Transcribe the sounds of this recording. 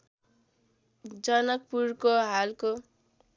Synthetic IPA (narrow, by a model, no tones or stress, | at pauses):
d͡zʌnʌk̚purkoɦalko